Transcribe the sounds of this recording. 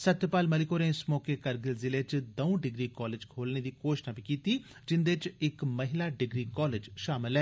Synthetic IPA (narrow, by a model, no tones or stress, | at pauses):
sət̪jpaːlməlɪkoːɾẽːsmoːkekəɾɡɪlzɪlet͡ʃd̪əũɖɪɡɾiːkɔːleːd͡ʒkʰoːlned̪iːkoːʃnaːbiːkiːt̪iː | d͡ʒɪnd̪et͡ʃɪkməɦɪlaːɖɪɡɾiːkɔːleːd͡ʒʃaːmɪlɦɛː